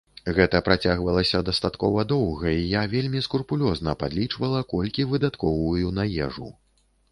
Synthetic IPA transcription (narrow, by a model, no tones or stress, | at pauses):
ɣɛt̪ɐpɾat͡sʲaɣvɐlˠɐsʲɐd̪ɐst̪at̪kɔvɐd̪ɔwɣɐijavʲelʲmʲiskurpulʲɔznɐpad̪lʲit͡ʂvɐlˠɐkɔlʲkʲivɨd̪at̪kɔvujunajɛ̰ʐṵ